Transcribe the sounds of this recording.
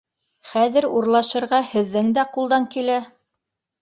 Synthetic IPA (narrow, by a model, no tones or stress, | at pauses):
χæðɘ̆ɾuɾlˠɑʃɤ̆ɾʁɑhɘ̆ðːɘŋd̪æqulˠd̪ɑŋkilæ